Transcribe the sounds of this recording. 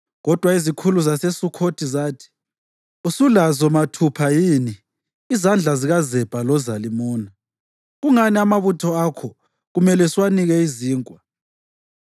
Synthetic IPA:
ɣɔd̥ʱwaizikʰuluzasesukʰotʰizaːtʰi̥ | usulazɔmatʰupʰajiːniː | zand͡ɮʱaziɣazɛb̥ʱʼalɔzalimuːna | ɣuŋaniamaβutʰɔakʰɔ | ɣumɛlɛswaniɣɛiziːŋkʼwa

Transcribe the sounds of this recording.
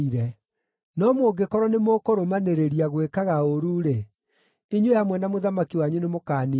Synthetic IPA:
iɾɛ | nɔmoɡekɔɾɔnemokoɾomaneɾeɾiaɣwekaɣaoɾuːɾe | iɲwehamwɛnamoðamakiwaɲunemokaːni

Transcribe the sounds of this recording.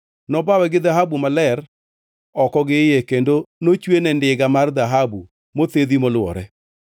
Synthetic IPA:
nɔbawɛɡɪðaɦabumalɛɾ | ɔkɔɡɪjɛkendonot͡ʃwenɛndɪɡamard̪aɦabu | mot̪eðimolwɔ̰ɾɛ

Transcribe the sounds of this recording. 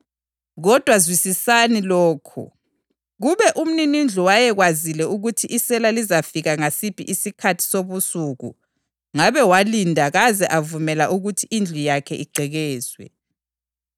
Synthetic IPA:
ɣɔd̥ʱwazwisisanilɔːkʰɔ̰ | ɣuβɛʔum̩ninind͡ɮʱuwajɛɣwazilɛuɣutʰiʔisɛlalizafiɣaŋasipʰʼḭʔisikʰatʰi̥soβusuɣṵ | ŋaβɛwalindʱaɣazɛʔavumɛlaʔuɣutʰiʔind͡ɮʱijakʰɛʔiɡ͡ǀʱɛɣɛːz̥wɛ̰

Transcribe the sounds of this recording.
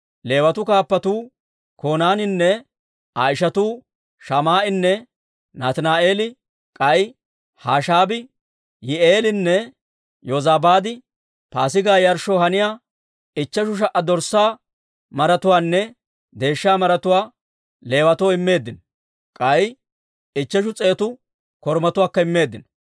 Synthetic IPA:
le̞ːwɐt̪ʊkaːpːɐt̪uː | koːnaːnɪnːɛ | aːɪʃɐt̪uː | ʃɐmaːʔɪnːɛ | naːt̪naːʔe̞ːlɪ | kʼɐj | haːʃaːbɪ | jɪʔeːlɪnːɛ | jozaːbaːd̪ɪ | paːsɪɡaːjɐɾʃoːɦɐnɪjaː | ɪt͡ʃːɐʃʊʃ̬ɐʔːɐd̪ɔɾsaː | mɐɾɐt̪ʊwaːnːɛ | d̪e̞ːʃːaːmɐɾɐt̪ʊwaː | le̞ːwɐt̪ɔːɪmːe̞ːd̪ːɪn | kʼɐj | ɪt͡ʃːɐʃ̬ʊt͡sʼe̞ːt̪ʊ | kɔɾmɐt̪ʊwaːkːɐɪmːe̞ːd̪ːɪn

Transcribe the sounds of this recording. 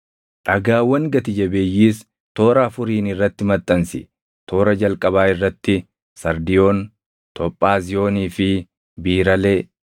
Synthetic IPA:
ᶑɐɡaːwːɐŋɡɐt̪ɪd͡ʒɐbe̞ːjːiːs | t̪o̞ːɾaːfʊɾiːnɪrːɐt̪ːɪmɐt̪ʼːɐnsɪ | t̪ʰo̞ːɾɐd͡ʒɐlkʼɐβaːɪrːɐt̪ːɪ | sɐɾd̪ɪjo̞ːn | t̪ʰɔpʼːaːzɪjo̞ːniːfɪ | biːɾɐle̞ː

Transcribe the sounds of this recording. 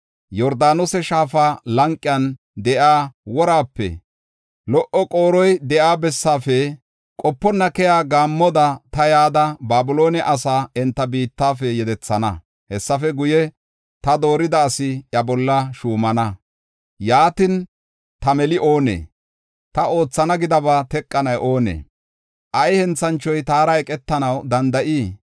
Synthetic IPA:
jɔɾd̪aːnɔsɛʃaːfaːlɐŋkʼːɪjɐn | d̪ɛʔaːwɔɾaːpːɛ̰ | lɔʔɔkʼo̞ːɾɔjd̪ɛʔaːbɛsːaːfɛ | kʼɔpːɔnːɐkɛjaːɡaːmːɔd̪ɐt̪ɐjaːd̪ɐbaːbʊlo̞ːnɛʔɐsaːɛnt̪ːɐbiːt̪ːaːfɛjɛd̪ɛt͡sːɐnɐ̰ | hɛsːɐfɛɡʊjɛ | t̪ɐd̪o̞ːɾɪd̪ɐːsɪɐbɔlːɐʃuːmɐnɐ | jaːt̪ɪn | t̪ɐmɛlɪʔo̞ːnḛː | t̪ɐo̞ːt͡sːɐnɐɡɪd̪ɐβat̪ɛkʼːɐnɐjʔo̞ːnḛː | ʔɐjhɛnt͡sːɐnt͡ʃːɔjt̪aːɾɐɛkʼɛt̪ːɐnɐwd̪ɐnd̪ɐʔiː

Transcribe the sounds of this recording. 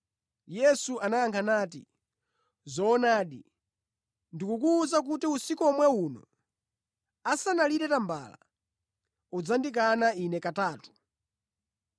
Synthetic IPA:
jɛsuʔanaaŋkʰanaːtḭ | zɔːnaːɗḭ | ndikukuːzak̬utiusikuɔmwɛunɔ̰ | asanaliɾɛtamba̰la̰ | ud͡zandik̬anainɛkataːtu̥

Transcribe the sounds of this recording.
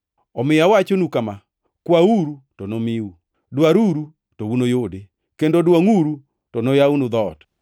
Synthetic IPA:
ɔmɪjawat͡ʃonukama | kwauɾutonomiu | dwaɾuɾu | towunojode | kendodwaŋuɾu | tonojaunud̪ɔt

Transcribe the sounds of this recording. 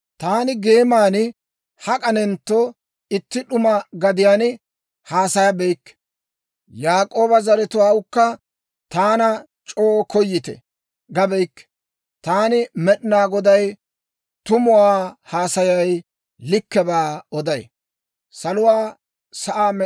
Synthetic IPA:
t̪aːnɪɡe̞ːmaːnɪ | hɐkʼɐnɛnt̪ːo | ɪt̪ːɪɗʊmɐɡɐd̪ɪjaːn | haːsɐjɐbɛjkː | jaːkʼo̞ːbɐzɐɾɛt̪ʊwaːwʊkːɐ | t̪aːnɐ | t͡ʃʼoːkɔjːɪt̪ɛ̰ | ɡɐbɛjkːɛ̥ | t̪aːnɪmɛɗɪnaːɡɔd̪ɐj | t̪ʊmʊwaːhaːsɐjɐj | lɪkːɛbaːɔd̪ɐj̰ | sɐlʊwaː | sɐʔaː

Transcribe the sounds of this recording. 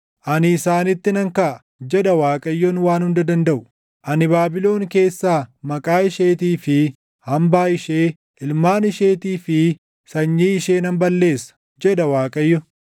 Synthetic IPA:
ʔɐnɪːsaːnɪt̪ːɪnɐŋkɐʔɐ | d͡ʒɛᶑɐwaːkʼɐjːɔnwaːnhʊnd̪ɐd̪ɐnd̪ɐʔʊ̥ | ʔɐnɪbaːbɪlo̞ːŋke̞ːsːaːmɐkʼaːɪʃeːt̪iːfɪ | hɐmbaːɪʃeː | ʔɪlmaːnɪʃe̞ːt̪iːfɪ | sɐɲːiːɪʃe̞ːnɐmbɐlːe̞ːsɐ̥ | d͡ʒɛᶑ̪ɐwaːkʼɐjːɔ

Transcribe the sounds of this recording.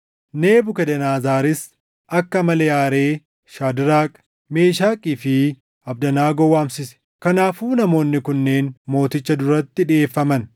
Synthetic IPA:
ne̞ːbʊkɛd̪ɛnaːzaːɾɪs | ʔɐkːɐmɐlɛjaːɾe̞ː | ʃaːd̪ɪɾaːkʼ | me̞ːʃaːkʼifɪ | ɐb̚d̪ɐnaːɡɔwaːmsɪsɛ̥ | kɐnaːfuːnɐmo̞ːnːɪkʊnːe̞ːnmo̞ːt̪ɪt͡ʃːɐd̪ʊɾɐt̪ːɪᶑɪeːfːɐmɐn

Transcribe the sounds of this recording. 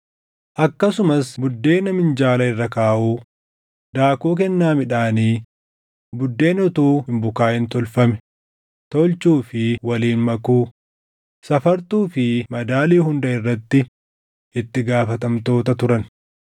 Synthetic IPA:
ʔɐkːɐsʊmɐsbʊd̪ːe̞ːnɐmɪnd͡ʒaːlɐɪrːɐkaːʔuː | d̪aːkoːk̬ɛnːaːmɪᶑaːniː | bʊd̪ːe̞ːnɔt̪uːhɪmbʊkaːhɪnt̪ɔlfɐmɛ̥ | t̪ɔlt͡ʃuːfɪwɐliːnmɐkuː | sɐfɐɾt̪uːfɪmɐd̪aːliːhʊnd̪ɐɪrːɐt̪ːɪ | ɪt̪ːɪɡaːfɐt̪ɐmt̪o̞ːt̪ɐt̪ʊɾɐn

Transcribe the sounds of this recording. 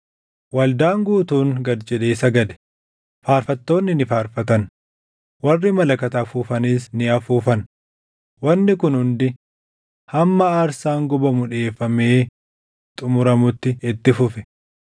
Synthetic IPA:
wɐld̪aːŋɡuːt̪uːŋɡɐd̪d͡ʒɛᶑe̞ːsɐɡɐd̪ɛ̥ | faːɾfɐt̪ːo̞ːnːɪnɪfaːɾfɐt̪ɐn | wɐrːɪmɐlɐkɐt̪ɐfuːfɐniːsnɪɐfuːfɐn | wɐnːɪkʊnhʊnd̪ɪ | hɐmːɐːɾsaːŋɡɔbɐmʊᶑe̞ːfːɐmeː | t̪ʼʊmʊɾɐmʊt̪ːɪɪt̪ːɪfʊfɛ

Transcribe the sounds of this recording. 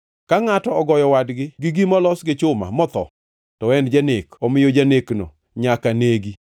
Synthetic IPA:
kaŋatɔɔɡɔjɔwadɡɪɡɪɡimɔlɔsɡɪt͡ʃʊma̰mɔt̪ɔ̰ | tɔɛndd͡ʒanekɔmɪjod͡ʒanekno̰ | ɲakaneɡi

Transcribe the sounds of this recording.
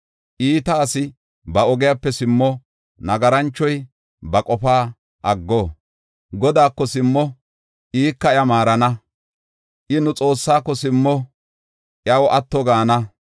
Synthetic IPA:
ʔiːt̪aːsɪ | bɐɔɡɪjapːɛsɪmːɔ | nɐɡɐɾɐnt͡ʃːɔj | bɐkʼɔfaː | ʔɐɡːoː | ɡɔd̪aːkːɔsɪmːɔ | ʔiːkːɐɪjɐmaːɾɐnɐ | ʔɪnʊt͡sʼo̞ːsːaːkːɔsɪmːɔ | ʔjɐwɔʔɐt̪ːɔɡaːnɐ

